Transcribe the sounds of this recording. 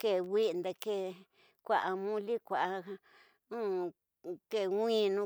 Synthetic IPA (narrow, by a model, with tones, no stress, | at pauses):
ke˧˨wʷi˦˧nd̪e˧ke˧ | kʷa˨ʔa˧mũ˦li˦kʷa˨ʔa˧ | ũ˦ | ke˧˨wʷĩ˦˧nũ˧